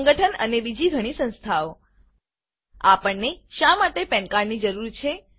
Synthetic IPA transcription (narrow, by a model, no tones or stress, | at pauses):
ŋɡəʈʰənə̰nebid͡ʒiɡʱəɽ̃isə̃nst̪ʰaʋo | apəɳːeʃamaʈepɛ̃ɳkaɾnid͡ʒəɾuɾt͡ʃʰe